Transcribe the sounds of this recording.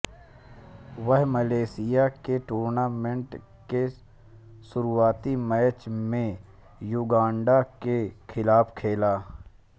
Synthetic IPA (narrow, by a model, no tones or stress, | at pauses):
ʋəɦməleːsɪjakeʈuːɾnaːmẽɳʈ | ke | sʊɾuaːt̪imɛːt͡ʃmẽ | juɡãːɳɖakekʰɪlaːpkʰeːlaː